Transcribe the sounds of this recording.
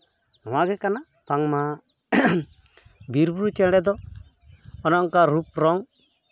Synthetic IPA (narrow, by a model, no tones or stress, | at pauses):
ɔw̃aɡɛkana | paŋma | biɾbuɾut͡ʃɛɽɛd̪ɔ | ɔnɔŋkaɾupɾɔŋ